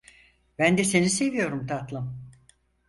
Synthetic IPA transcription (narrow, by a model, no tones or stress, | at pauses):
bænd̪ɛse̞nise̞vijo̞ɾumt̪ʰat̪lˠɯm